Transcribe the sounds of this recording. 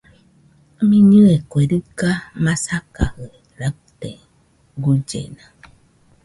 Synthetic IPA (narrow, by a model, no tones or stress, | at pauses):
mĩɲɨekʷeɾɨkamãsakahe | ɾat̪ḛ | ɡud͡ʒḛnã